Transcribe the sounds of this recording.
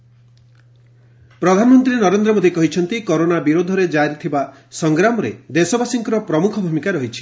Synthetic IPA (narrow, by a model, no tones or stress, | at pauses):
pɾɔd̪ʱanɔmɔnt̪ɾinɔɾend̪ɾɔmod̪ʱikɔɦit͡ʃʰɔnt̪ikoɾonabiɾod̪ʱɔɾed͡ʒaɾit̪ʰiba | sɔŋɡɾamɔɾed̪esɔbasiŋkɔɾɔpɾɔmukʰɔbʱumikaɾɔɦit͡ʃʰi̥